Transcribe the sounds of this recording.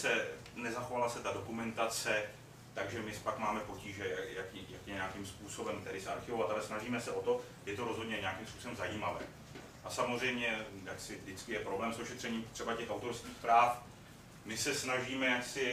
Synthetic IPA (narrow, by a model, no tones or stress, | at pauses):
sɛ | nɛzaxo̞valasɛt̪ado̞kumɛnt̪at͡sɛ | t̪aɡʒɛmɪspakmaːmɛpo̞ciːʒɛjajakijakjɛɲɛakimspuːso̞bɛmt̪ɛɾɪsɛaɾxɪvo̞vat̪alɛsnaʒiːmɛsɛʔo̞t̪o̞ | jɛt̪o̞ɾozɦo̞dɲɛɲɛakiːmspuːsobɛmzajiːmavɛː | ʔasamozr̝ɛjmɲɛjaksɪvdɪt͡skɪjɛpɾo̞blɛːmsoʃɛt̪r̥ɛɲiːmt̪r̥ɛbacɛxʔawt̪o̞ɾskiːxpɾaːf | mɪsɛsnaʒiːmɛjaksɪ